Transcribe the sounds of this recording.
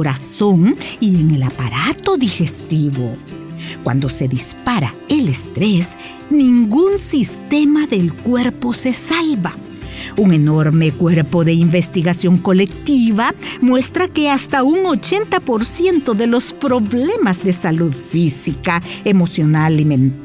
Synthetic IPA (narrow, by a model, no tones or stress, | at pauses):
oɾaso̞ŋie̞ŋe̞lapaɾat̪o̞ðixe̞st̪iβokwa̰nd̪o̞se̞ðispaɾa̰ | elest̪ɾe̞s | nĩŋɡunsist̪e̞maðe̞lkwe̞ɾpo̞se̞salβa | uŋe̞no̞ɾme̞kwe̞ɾpo̞ðe̞imbe̞st̪iɣasjo̞ŋko̞le̞kt̪iβamwe̞st̪ɾake̞ast̪auŋo̞t͡ʃe̞nt̪apo̞ɾsje̞nt̪o̞ðe̞lo̞spɾo̞βle̞mazðe̞saluðfisikae̞mo̞sjo̞nalimẽnt̪